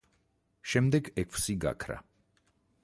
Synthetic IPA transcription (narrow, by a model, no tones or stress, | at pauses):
ʃɛmd̪ɛɡɛkʰsiɡa̰kʰɾa̰